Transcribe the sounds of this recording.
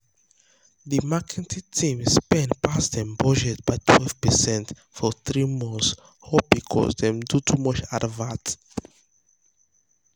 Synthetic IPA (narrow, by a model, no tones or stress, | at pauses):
ðimakʰɛtʰitʰĩmspɛ̃ndpʰasdɛ̃mbɔd͡ʒɛtbaɪtʰwɛlvpɛsɛ̃nt | fɔθɹimɔ̃ns | hop̚bikʰɔ̰sdɛ̃mdutʰumɔt͡ʃadvat